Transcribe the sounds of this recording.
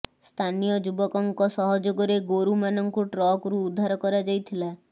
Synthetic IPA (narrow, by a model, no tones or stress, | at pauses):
st̪ʰanijɔd͡ʒubɔkɔŋkɔsɔɦɔd͡ʒoɡɔɾeɡoɾumanɔŋkuʈɾɔkɾuːd̪ʱːaɾɔkɔɾad͡ʒajt̪ʰila